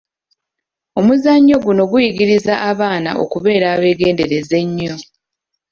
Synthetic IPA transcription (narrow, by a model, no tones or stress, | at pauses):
o̞muzaɲːo̞ɡuno̞ɡujiɡiɾizaʔaβaːna̰ʔo̞̰kuβe̞ːɾaːβe̞ːɡe̞ːnde̞ɾe̞ze̞ɲːo̞